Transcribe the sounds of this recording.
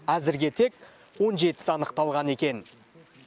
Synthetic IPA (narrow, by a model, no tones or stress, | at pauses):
æzɪɾɡʲe̞t̪ʰe̞k | wo̞nʒe̞t̪ɪ̥sɑnəqt̪ɑlˠʁɑne̞kʲe̞n